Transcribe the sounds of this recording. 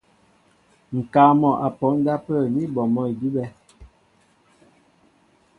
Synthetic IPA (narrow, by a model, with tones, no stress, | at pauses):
ŋ̩˨kaː˨˦mɔ˨ʔa˨pɔ˨˦ŋ˦da˦pə˦˨ni˦bɔ˨mɔ˦i˨di˦bɛ˦